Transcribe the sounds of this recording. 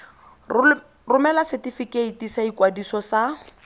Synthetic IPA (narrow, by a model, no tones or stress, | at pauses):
rʊmɛlasetifikeitisaikwadisɔsa